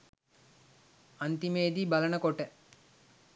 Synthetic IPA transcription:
ɐnt̪imeːd̪ibɐlɐɳəkoʈə

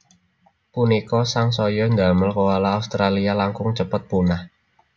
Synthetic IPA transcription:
punikɔsaŋsɔjɔnd̪aməlkɔwalaːust̪ɾalialaŋkʊŋt͡ʃəpət̪̚punah

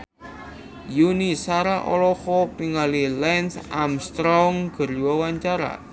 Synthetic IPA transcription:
junisaɾaʔɔ̰lɔhɔpiŋalilɛnsamst̪ɾɔŋɡ̥ə̤rwɔwaɲt͡ʃaɾa̰

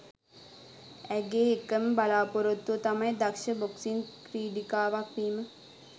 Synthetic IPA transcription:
ɛɡeːekːɐmbɐlaːpoɾot̪ːʋot̪ɐmɐjed̪ɐkʃɐboksinkɾiːɖikaːʋak̚ʋiːmə

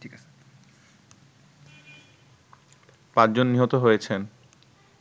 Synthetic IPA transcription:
ʈʰika | pãt͡ɕd͡ʑonːiɦot̪oɦojet͡ɕʰen

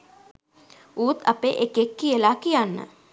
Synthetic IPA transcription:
uːt̪apeʔekekːijəlaːkijanːə̰

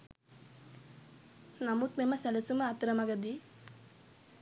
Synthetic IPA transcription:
namut̪memɐsɛlɐsuməat̪ɾɐmaɡɐd̪i

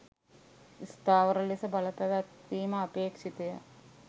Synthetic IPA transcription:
ist̪aːʋəɾəlisəbaləpæʋæt̪ːiːməːpeːkʃit̪ejə̰

